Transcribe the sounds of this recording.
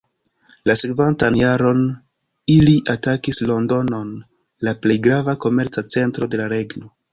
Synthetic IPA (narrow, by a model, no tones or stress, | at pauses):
lase̞kvantanjaɾo̞n | iliʔatakislo̞ndo̞no̞n | laple̞jɡɾavako̞me̞ɾt͡sat͡se̞ntɾo̞de̞laɾe̞ɡno̞